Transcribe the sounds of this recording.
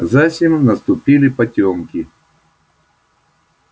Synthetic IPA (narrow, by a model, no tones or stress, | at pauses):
zasʲɪmnɐst̪ʊpʲilʲɪpɐtʲomkʲɪ